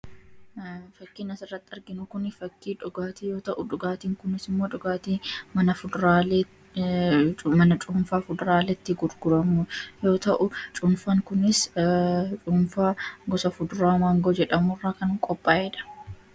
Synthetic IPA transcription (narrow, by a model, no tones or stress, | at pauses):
fɐkːiːnɐsɪrːɐt̪ːɪɐɾɡɪnʊkʊnfɐkːiːᶑʊɡaːt̪iːjo̞ːt̪ɐʔʊᶑʊɡaːt̪iːŋkʊnɪsɪmːoːᶑʊɡaːt̪iːmɐnɐfʊd̪ɾal | mɐnɐt͡ʃʼʊːmfaːfʊd̪ɾaːlɛt̪ːɪɡʊɾɡʊɾɐmʊjo̞ːt̪ɐʔʊt͡ʃʼʊnfaːŋkʊnɪs | t͡ʃʼuːnfaːɡɔsɐfʊd̪ɾaːmaːŋɡod͡ʒɛᶑɐmʊrːaːkɐŋkʼɔpʼːaːʔɛᶑɐ̥